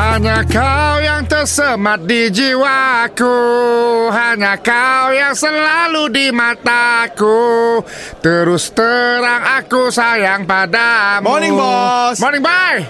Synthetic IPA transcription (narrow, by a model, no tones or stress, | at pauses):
haɲakawjaŋt̪ərsəmat̪̚did͡ʒiwaku | ɦaɲakawjaŋsəlaludimat̪aku | t̪əɾʊst̪əɾaŋakusajaŋpadamɔliŋbɔsmonɪŋbaj